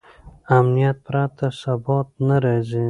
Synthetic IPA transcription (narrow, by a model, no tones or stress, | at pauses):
amnijat̪̚pɾat̪asabɔt̪̚naɾezi